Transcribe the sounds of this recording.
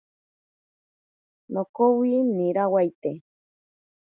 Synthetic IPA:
nokowiniɾawajt̪e

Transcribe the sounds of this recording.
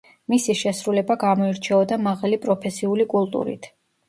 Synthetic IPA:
misiʃɛsɾulɛbaɡamɔiɾt͡ʃʰɛɔd̪amaʁalipʼɾɔpʰɛsiulikʼulˠt̪ʼṵɾḭt̪ʰ

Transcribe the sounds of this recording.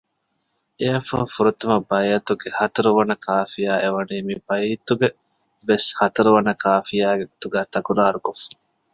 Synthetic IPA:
eɐfɐ̰fuɾut̪umɐbɐjɐt̪uɡehɐt̪ɐɾuʋɐnɐkʰaːfijaːʔeʋɐniːmibɐjt̪uɡe | ʋeshɐt̪ɐɾuʋɐnɐkaːfijaːɡeɡot̪uɡæːt̪ɐkuɾaːɾukofːɐ̥

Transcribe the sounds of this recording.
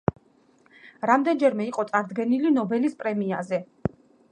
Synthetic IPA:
ɾamd̪ɛnd͡ʒɛɾmɛiqʼɔt̪sʼaɾd̪ɡɛnilinɔbɛlispʼɾɛmia̰zɛ

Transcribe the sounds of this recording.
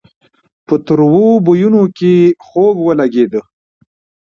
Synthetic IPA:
pət̪əɾwobujunokexoɡwəlaɡed̪ə

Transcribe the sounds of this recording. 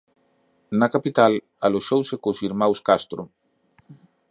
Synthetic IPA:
nakapit̪al | aloʃowsekosiɾmawskast̪ɾu

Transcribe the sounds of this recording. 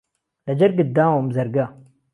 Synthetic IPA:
lɐd͡ʒɐɾɡid̪aːwamzɐɾɡa

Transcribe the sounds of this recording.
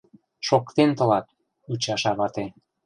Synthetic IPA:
ʃokt̪ent̪ɤ̆lɑt̪̚ | ut͡ɕɑʃɑβɑt̪e

